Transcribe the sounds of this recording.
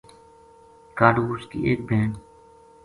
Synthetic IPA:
kaːɖuːskḭːʔeːk̚bʱeːɳ

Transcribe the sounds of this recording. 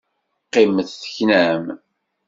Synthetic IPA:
qːɪmθθə̥çnæm

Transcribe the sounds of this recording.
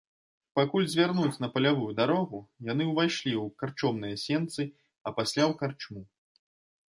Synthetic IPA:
pakulʲzʲvʲarnut͡sʲn̪ɐpɐlʲavujud̪aɾɔɣujan̪ɨwvajʂlʲiwkart͡ʂɔmnɨjɐsʲɛnt̪sɨ | ɐpasʲlʲawkart͡ʂmu

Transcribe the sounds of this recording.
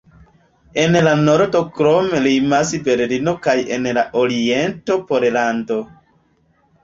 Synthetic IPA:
e̞nlano̞ɾdo̞kɾomelimasbe̞ɾlino̞kaje̞nlaʔoɾie̞nto̞poɾlando̞

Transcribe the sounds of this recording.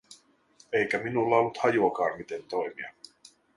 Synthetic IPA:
e̞jkæminulːɑo̞lːut̪hɑjuɑkɑːmmit̪e̞nt̪o̞jmiɑ

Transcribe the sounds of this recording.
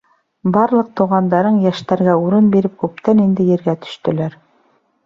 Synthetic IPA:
bɑɾlˠɤq̚t̪uʁɑnd̪ɑɾɤɴjæʃt̪æɾɡæuɾɤnbiɾɘp̚kʉp̚t̪ænind̪ɘ̆jɘ̆ɾɡæt̪ɵ̥̆ʃt̪ɵ̆læɾ

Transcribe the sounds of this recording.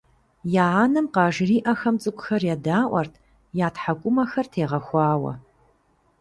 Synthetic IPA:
jaːanɨmqɑːʒriːʔɐxɐmt͡sʼɨkʷʼʊxɐrjɛdaːʔʷɐrtʰ | jaːtħakʷʼʊmɐxɐrtʰeːʁɐxʷɑːwɐ̰

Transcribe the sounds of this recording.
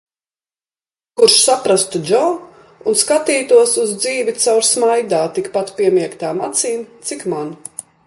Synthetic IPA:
kuɾʃsapɾast̪ud͡ʒɔ | unskat̪iːt̪uɔsuzd̪ziːvit̪sawɾsmajd̪aːt̪ikpat̪piɛmiɛkt̪aːmat̪siːnt̪sikman

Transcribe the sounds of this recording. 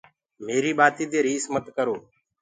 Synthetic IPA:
meːɾiːɓaːt̪iːd̪eːɾiːsmət̪kəɾoː

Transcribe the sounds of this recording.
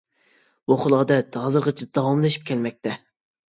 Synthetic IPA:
woχəlˠɑd̪ɛt̪ɑzɨɾqət͡ʃʰid̪ɛd̪ɑwɑmlˠɨʃi̥p̚kʲʰɛlmɛk̚ʲt̪ʰɛ

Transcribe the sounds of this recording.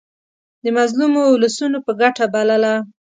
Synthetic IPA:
d̪əmazlumoʊlasunopəɡaʈabalala

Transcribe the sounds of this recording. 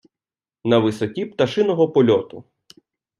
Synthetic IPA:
nɐʋɪsɔtʲip̚t̪ɐʃɪnɔɦɔpɔlʲɔt̪ʊ

